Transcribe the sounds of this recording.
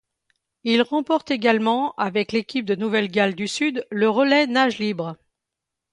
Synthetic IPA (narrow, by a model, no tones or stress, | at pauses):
ilʁɑ̃pɔʁt̪eɡʲalmɑ̃avɛklekʲip̚d̪ənuvɛlɡʲald̪ysyd̪ləʁəlɛnaʒlibʁ